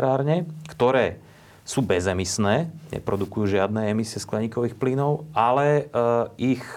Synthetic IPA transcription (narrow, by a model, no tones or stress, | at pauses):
ɾaːɾɲɛkt̪ɔɾɛː | suːbɛzɛmisnɛːɲɛ̰pɾɔd̪ukujuːʒɪad̪nɛːɛmisiɪɛsklɛɲiːkɔʋiːxpliːnɔʊalɛ | ix